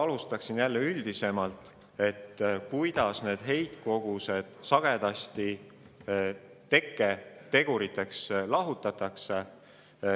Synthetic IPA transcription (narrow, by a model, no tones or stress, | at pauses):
ɑlust̪ɑksinjælːeyld̪̥ise̞mɑlt̪ˑ | e̞t̪ːkujd̪̥ɑsne̞ːd̪̥ɦe̞jt̪ko̞ɡ̥use̞d̪̥sɑɡ̥e̞d̪̥ɑsʲt̪i | t̪e̞kˑːe̞t̪e̞ɡ̥uɾit̪ːˑe̞kslɑɦut̪ːˑɑt̪ːˑɑkse